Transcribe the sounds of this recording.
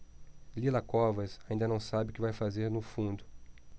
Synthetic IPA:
lilɐkɔvɐsaĩnd̪ɐnɐ̃w̃sabɪʊkɪvajfazeɾnʊfũnd̪ʊ

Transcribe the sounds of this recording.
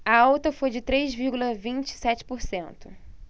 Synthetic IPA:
ɐawt̪ɐfojd͡ʒɪt̪ɾezviɾɡulɐvĩnt͡ʃɪ̥sɛt͡ʃɪ̥poɾsẽnt̪ʊ

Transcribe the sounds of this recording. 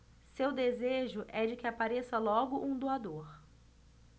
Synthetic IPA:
sewd̪ezeʒʊʔɛd͡ʒɪkɪapaɾesɐlɔɡʊʔũd̪oad̪oɾ

